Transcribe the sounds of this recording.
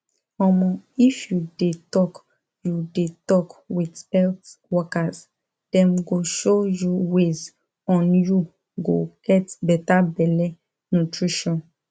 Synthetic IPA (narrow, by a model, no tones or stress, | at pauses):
ɔmɔ̃ifjudetɔk | judetɔkwidɛltwɔkaz | d̥ɛ̃mɡoʃojuwez | ɔ̃nju | ɡo̰ɡ̥ɛtbɛtabɛlɛ | nutɹiʃɔ̃n